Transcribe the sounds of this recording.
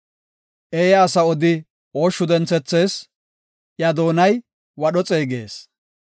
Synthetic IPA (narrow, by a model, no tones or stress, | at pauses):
ʔeːjɐːsɐɔd̪ɪ | oːʃːʊd̪ɛnt͡sːɛt͡sːe̞ːs | ʔjɐd̪o̞ːnɐj | wɐɗɔt͡sʼeːɡe̞̰ːs